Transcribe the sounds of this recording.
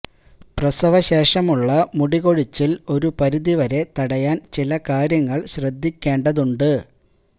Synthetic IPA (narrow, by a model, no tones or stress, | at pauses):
prɐsɐʋɐɕe̞ːʂɐmuɭːɐmuɽiɣo̞ɻit͡ɕːilo̞ɾupɐɾuðiʋɐɾe̞t̪ɐɽɐjaːnt͡ɕilɐkaːɾjɐŋːɐɭɕrɐd̪ʱːikʲːe̞ːɳɖɐðuɳɖɨ